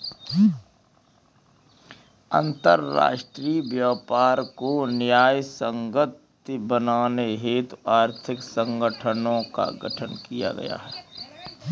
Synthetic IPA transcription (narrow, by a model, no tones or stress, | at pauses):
ə̰̃nt̪əɾːa̰ːʃʈɾiːʋjaːpaːɾkonjaːjsə̃ŋɡət̪ | bənaːneɦeːt̪aːɾt̪ʰɪksə̃ŋɡəʈʰənõka̰ɡəʈʰənkija̰ɡɐ̰ja̰ɦɛː